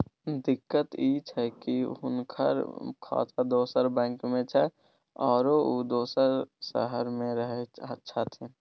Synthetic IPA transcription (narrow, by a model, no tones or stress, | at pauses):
d̪ɪkːət̪it͡ʃʰɛkiɦʊ̰nkʰə̰ɾkʰɔ̰ːt̪ʰad̪oːsəɾbɛ̃ːŋkmẽt͡ʃʰɛ | ɔːɾoud̪oːsəɾsə̰ɦəɾmẽɾəɦeətːʃʰat̪ʰiː